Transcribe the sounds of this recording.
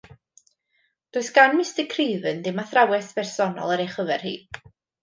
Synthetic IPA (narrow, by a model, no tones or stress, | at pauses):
d̥oɨsɡ̥anmɪstəkʰriːvɨndɪmaθrawɛsv̥ɛrsɔnɔ̰lˠəɾejχəvɛrhḭː